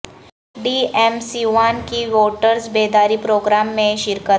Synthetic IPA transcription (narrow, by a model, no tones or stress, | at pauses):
ɖiemsiʋankiʋoʈəɾsbed̪aɾipɾoɡɾamːẽʃɪɾkət̪